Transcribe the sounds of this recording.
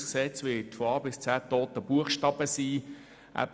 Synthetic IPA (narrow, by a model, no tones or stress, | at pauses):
sksɛt͡sʋɪətfɔɑːbɪst͡sæːt̪oːt̪əb̥uəχʃtɑːbəsiː | ʔæ̰